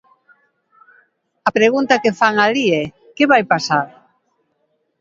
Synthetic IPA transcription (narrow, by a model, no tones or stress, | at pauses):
ɐpɾeɣunt̪ɐkefaŋaliɛ | keβajpasaɾ